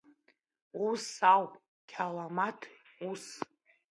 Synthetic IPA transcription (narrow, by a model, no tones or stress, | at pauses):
usawpʼ | kʲʰalamatʰus